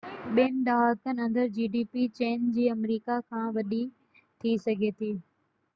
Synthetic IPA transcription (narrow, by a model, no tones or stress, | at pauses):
ɓɪnɪɗ̪aːɦaːkənɐ̃nd̪əɾd͡ʑiːɖiːpit͡ɕeːnd͡ʑiːɐmɾiːkakʰãːʋɐɗi | t̪ʰisɐɡʱet̪ʰiː